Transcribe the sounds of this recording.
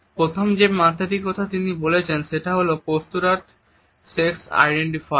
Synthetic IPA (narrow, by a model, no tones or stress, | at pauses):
pɾot̪ʰomd͡ʑemat̪aɾikɔt̪ʰat̪inibolet͡ɕʰenʃeʈaɦolokost̪uɾaʈ | seksa̰jɖeɳʈifa